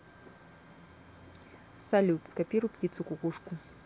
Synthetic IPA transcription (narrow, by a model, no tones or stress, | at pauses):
salʲut̪skapʲiɾuptʲit̪sukukuʂkʊ